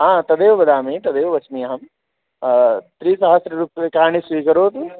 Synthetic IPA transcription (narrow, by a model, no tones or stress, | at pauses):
ɦãːt̪ɐd̪eːʋbɐd̪aːmĩt̪ɐd̪eːʋʋɐt͡ʃmiɐɦɐm | t̪ɾiːsɐɦəsɾɾuːpːekaːñisʋiːkəɾoːt̪u